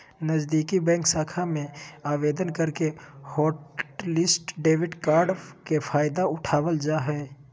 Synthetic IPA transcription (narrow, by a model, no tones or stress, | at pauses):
nəzd̪iːkibɛ̃ːŋksaːkʰamẽaːʋeːd̪ənkəɾkehɔːʈlɪsʈɖeːwɪɖkaːɾɖkepʰaːɪd̪aʊʈʰaːwəld͡ʒaːɦɛː